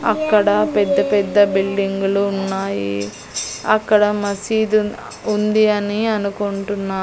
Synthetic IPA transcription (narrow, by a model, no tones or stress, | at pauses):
ɐ̰kːɐɽɐpɛd̪ːɐpɛd̪ːɐbiɭːiŋɡuluːnːaːji | ɐkːɐɽɐmɐsid̪u | und̪iɐniɐnukoɳʈunːaː